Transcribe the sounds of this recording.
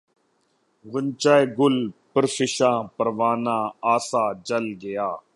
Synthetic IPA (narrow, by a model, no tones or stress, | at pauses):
ɣʊnt͡ʃaːeːɡʊlpəɾsɪʃãːpəɾʋaːnãːaːsaːd͡ʒəlɡɪjaː